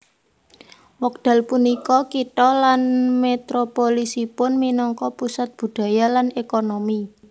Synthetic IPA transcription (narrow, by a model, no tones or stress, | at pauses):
wɔk̚d̪̥a̤lpunikɔkit̪ɔlanmet̪ɾopolisipʊnminɔŋkɔpusat̪̚b̥ṳɖ̥ä̤jalanekonomi